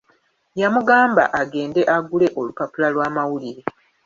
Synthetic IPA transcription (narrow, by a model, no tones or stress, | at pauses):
jamuɡaːmba̰ʔaɡe̞ːnde̞ʔaɡule̞ʔo̞lupapulalwaːmawuliɾe̞